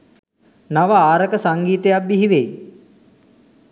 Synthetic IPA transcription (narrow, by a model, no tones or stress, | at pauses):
naʋəaːɾəkəsaŋɡiːt̪ejabːiɦiʋej